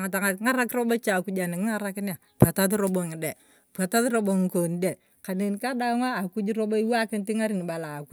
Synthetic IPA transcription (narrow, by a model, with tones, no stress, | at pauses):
ŋa˨ta˨ŋa˨ŋa˦ɾa˦kɾo˦bo˦t͡ʃa˨ku˦d͡ʒa˨nɪ˨ŋɪ˦ŋa˦ɾa˦kɪ˦n˦a˨ | pa˨ta˦tɾo˦bo˨ŋɪ˨de˨ | pa˨ta˦tɾo˦bo˨ŋ˨ko˨n˨de˨ | ka˨ne˨nka˦da˦ŋaː˦˨ku˦d͡ʒi˦ɾo˦bo˦i˦wa˦kɪ˦nti˦ŋa˦ɾi˦˨n˨ba˨la˨ku˦